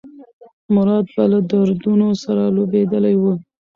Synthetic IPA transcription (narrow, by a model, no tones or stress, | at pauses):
mʊɾɑd̪̚balad̪aɾd̪unosaɾalobed̪əlajwu